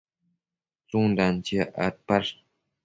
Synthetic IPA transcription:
t͡soŋndant͡ɕəʔa̰t̚par

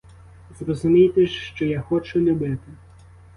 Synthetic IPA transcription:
zrɔzʊmʲijt̪ɛʃʃt͡ʃɔjaxɔt͡ʃʊlʲubɪt̪ɪ

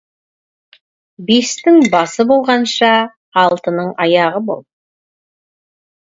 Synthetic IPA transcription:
be̞st̪ɪŋbɑsəbo̞lˠʁɑnʃɑː | lˠt̪ənəɴɑjɑʁəbo̞̰lˠ

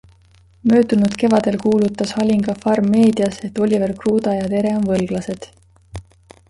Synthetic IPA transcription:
mø̞ːd̪unud̪̥ke̞vɑd̪̥e̞lkuːlut̪ːˑɑshɑlʲiŋɡ̥ɑfɑrmːe̞ːd̪iɑse̞t̪ːˑo̞lʲiverkruːd̪ɑjɑt̪e̞ɾe̞onvɤlɡ̥lɑse̞d̪̥

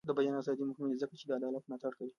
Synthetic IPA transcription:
dabɐjanaːsaːd̪iːmʊkminizakat͡ʃiːdaʔadaːlɐt̚naːtɐɾkɐji

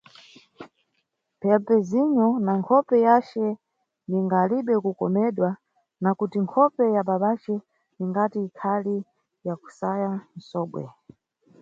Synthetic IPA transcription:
pʰɛlpɛziɲɔnaŋkʰɔpɛjat͡ʃɛ | niŋɡaːliɓɛkukɔmɛɗwa | nakutiŋkʰɔpɛjaɓaɓat͡ʃɛ | niŋɡatiːkʰali | jaku̥sajan̩sɔːɓwɛ̰

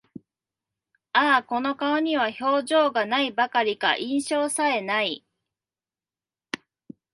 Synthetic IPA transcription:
aːko̞no̞kaoɲ̟iβ̞aço̞ːʑo̞ːɡanaibakaɾʲika̰ʔĩɰ̃ɕo̞ːsae̞nai

